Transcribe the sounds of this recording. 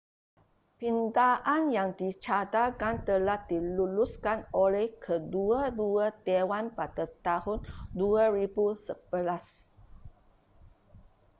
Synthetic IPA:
pindaʔãnjaŋdit͡ʃadakant̪əlahdiluluskanolɛhkʰəduəduət̪ewanpadat̪ahʊnduəɹibusəb̥əlas

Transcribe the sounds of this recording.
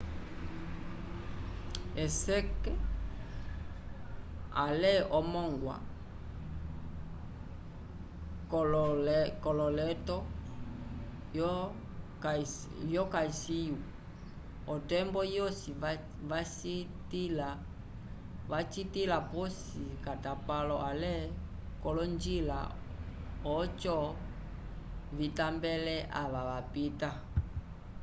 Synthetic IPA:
ɛsɛkɛ | a̰lɛʔɔmɔŋɡwa̰ | kɔlɔlɛtɔ | jɔkaisiju | ɔtɛmbɔjɔsi | vasitila | vat͡ʃitilapɔsikatapalɔʔalɛ | kɔlɔnd͡ʒila̰ | ɔt͡ʃɔ | vitambɛlɛʔa̰βaβapita

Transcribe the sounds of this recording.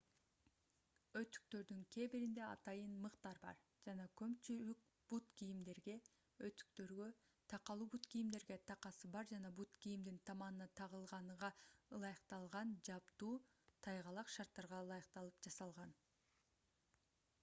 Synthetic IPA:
ø̞t̪y̥k̚t̪ø̞ɾd̪yŋkʰʲe̞biɾind̪e̞ɑ̰t̪ɑjɯnmɯqt̪ɑɾbɑ̰ɾ | d͡ʒɑnɑkʰømt͡ʃylyk̚ | b̥ut̪kijimd̪e̞ɾɡe̞ | øt̪y̥k̚t̪ø̞ɾɡø̞ | t̪ʰɑqɑlˠuːbut̪kijimd̪e̞ɾɡe̞t̪ʰɑqɑsɯbɑɾd͡ʒɑnɑbut̪kijimd̪int̪ʰɑmɑnɯnɑt̪ʰɑʁɯlˠʁɑnʁɑɯlˠɑjəqt̪ɑlˠʁɑnd͡ʒɑpt̪uː | t̪ʰɑjʁɑlˠɑqʃɑɾt̪ːɑɾʁɑɯlˠɑjəqt̪ɑlˠɯpd͡ʒɑsɑlˠʁɑn

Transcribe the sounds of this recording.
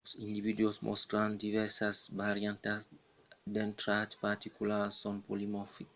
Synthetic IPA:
sĩnd̪ivid̪uosmʔɔ̰st̪ɾãnd̪ivɛɾsasbaɾjãnt̪as | d̪ɛnt̪ɾat̪paɾt̪ikulasɔ̃npolimɔfik

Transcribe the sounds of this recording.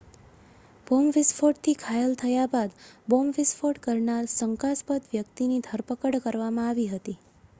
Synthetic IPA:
b̥omʋɪsfʰoʈt̪ʰikʰajəlt̪ʰəjabad̪bomʋɪsfʰoʈkəɾɳalsəŋkaspət̪ʋjəkt̪inid̪ʱəɾpəkəɽkəɾʋamãaʋiɦət̪i

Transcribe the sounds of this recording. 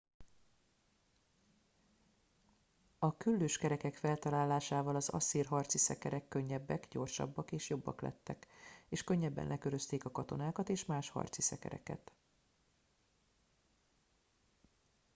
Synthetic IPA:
ɒkylːøːʃkɛɾɛkɛkfɛlt̪ɒlaːlːaːʃaːvɒlɒzɒ̰siːrɦɒrt̪sisɛkɛɾɛkːø̞ɲːɛbːɛkɟo̞rʃɒ̰bːɒkeːʃjobːɒ̰klɛ̰t̪ːɛkeːʃkøɲːɛbːɛ̰nlʔɛkø̞ɾø̞st̪eːkɒkɒt̪o̞̰naːkɒt̪eːʃmaːʃhɒ̰rt̪sisɛkɛ̰ɾɛ̰kɛ̰t̪

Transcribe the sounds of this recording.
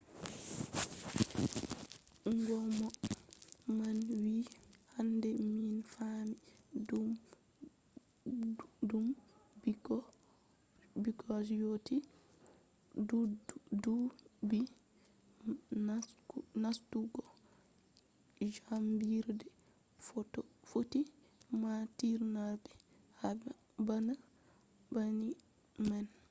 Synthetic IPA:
ŋɡɔmɔ | manwihandɛminfamidu | dumbiɡɔ | biɡɔsjoti | ddubi | anastuɡɔ | d͡ʒambiɾdɛ | fɔtɔfoti | matiɾnabɛ | hab | bana | bani | mɛn

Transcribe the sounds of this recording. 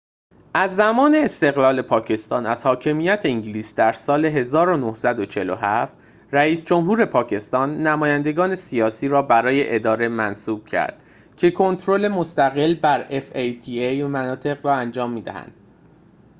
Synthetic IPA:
ʔæzːæmɒːne̞ːst̪e̞ɣlɒːle̞pʰɒːcʰe̞st̪ɒ̰ːnæz̥hɒːcʰe̞miːjæt̪ʰeiɲɟliːsd̪æɾsɒːle̞ɦe̞zɒːɾo̞nohsæd̪ot͡ʃʰe̞loɦæft̪ | ræiːsd͡ʒo̞mhuːɾe̞pʰɒːcʰe̞st̪ɒːnːæmɒːjænd̪e̞ɡɒːne̞sijɒːsiːɾɒːbæɾɒːje̞ʔed̪ɒːɾe̞mænsuːb̥cʰæ̰ɾd̪̥ | cʰe̞kʰo̞nt̪ʰɾo̞le̞most̪æɣe̞lbæɾefejt̪ʰiejmænɒːt̪ʰe̞ɣɾɒːænd͡ʒɒːmːiːd̪æ̰hæ̰nd̪̥

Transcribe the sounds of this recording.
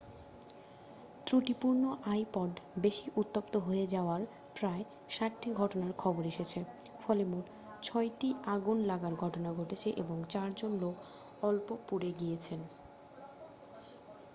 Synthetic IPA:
t̪ɾuʈipuɾnoʔajpɔɖbeʃiʔut̪ːopt̪oɦoed͡ʑaoaɾ | pɾae | ʃaʈːiɡʱɔʈonaɾkʰɔboɾeʃet͡ɕʰefɔlemuʈ | t͡ɕʰɔjʈiaɡunlaɡaɾɡʱɔʈonaɡʱoʈet͡ɕʰeʔḛboŋt͡ɕaɾd͡ʑonlok | ɔlpopuɾeɡijet͡ɕʰen

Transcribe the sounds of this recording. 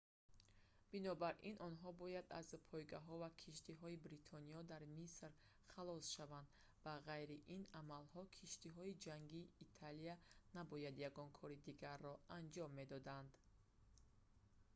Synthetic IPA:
b̥inɔbaɾʔinʔɔnɦɔbɔjad̪a̰zpʰɔjɡaɦɔvakʰiʃt̪ʰiɦɔibɾit̪ʰɔniɔd̪aɾmisɾ | χalɔsʃavand̪ | vaʁajɾiʔinamalhɔkʰiʃt̪iɦɔid͡ʒaŋɡiːt̪ʰalianabɔjad̪jaɡɔnkʰɔɾid̪iɡaɾːɔand͡ʒɔmːe̞d̪ɔd̪and̪

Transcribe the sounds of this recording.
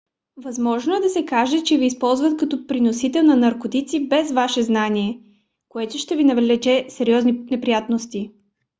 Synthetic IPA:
vɐzmɔʒnoɛd̪ɐsɛkaʒɛt͡ʃɛviːspɔlˠzvɐt̪kɐt̪ɔpɾinosit̪ɛlˠnɐnɐɾkot̪it̪sibɛzvaʃɛznaniɛ | koɛt̪ʊʃt̪ɛvinɐvɛlɛt͡ʃɛsɛɾiɔzninɛpɾijat̪nost̪i

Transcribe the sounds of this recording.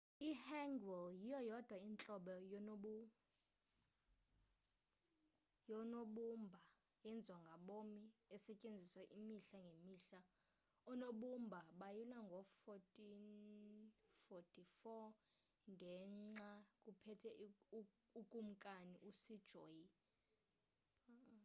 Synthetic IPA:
ihɛŋɡwɛljijɔjɔd̥ʱwaint͡ɬʼɔɓɔjɔɓu | jɔnoɓumbʱa | ɛnd͡zʱɔŋɡʱaɓomiɛsɛcʼend͡zʱiswaʔimiɬaŋɡʱemiːɬa | ɔnoɓumbʱaɓajulaŋɡʱɔfɔtʼin | fɔtʰʼifɔ | ŋɡʱɛŋ͡ǀakʼupʰɛtʰɛ | ukʼum̩kʼaniʔusid̥ʒ̥ʱoːji

